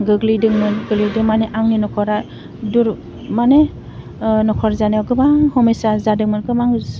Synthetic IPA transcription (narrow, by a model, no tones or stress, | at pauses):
ɡɯɡlidɯŋmɯnɡɯlidɯŋmaneʔaŋninɔkʰɔɾa | duɾ | mane | nɔkʰɔɾzaneɡɯmaŋhɔmesazadɯŋmɯnɡɯmaŋ